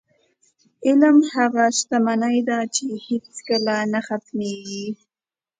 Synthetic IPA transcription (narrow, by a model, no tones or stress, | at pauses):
ɪlmhaɣaʃt̪amanəjd̪at͡ʃehet͡skəlanaxat̪meɡi